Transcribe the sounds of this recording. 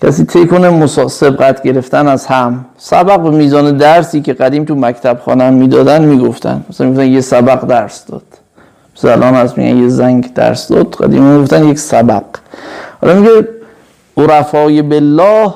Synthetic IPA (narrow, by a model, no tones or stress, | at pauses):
cʰæsiːt̪ʰejkʰonemosɒːse̞b̚ɡæt̪ʰɟe̞ɾe̞ft̪ænæzhæm | sæbæɣbemiːzɒːned̪æɾsiːkʰe̞ɢæd̪iːmt̪ʰumækʰt̪ʰæb̥xɒ̰ːnæmːiːd̪ɒːd̪ænd̪miːɡoft̪ʰæ̰nd̪mæsænmiɡoft̪ænjesæbæɡd̪æɾsd̪ɒ̰ːd̪̥ | msælʔɒːnæsmḭɡʲæ̰njezæŋɡd̪æ̰ɾsd̪ɒ̰ːd̪ɡæ̰d̪ḭːmmiɡoft̪ænjeksæbæɡ̥hɒ̰lɒmiɟe | oɾæfɒːjebelːɒːh